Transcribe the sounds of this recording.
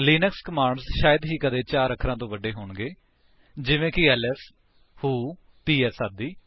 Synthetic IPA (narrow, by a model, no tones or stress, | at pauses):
liːnəkskəmaːɳɖzʃaːjəd̪ɦiːkəd̪eːt͡ʃaːɾəkʰɾãːt̪õːʋəɖeːɦoːɳɡeː | d͡ʒɪʋẽːkɪɛːlɛːs | huː | piːɛːsaːd̪iː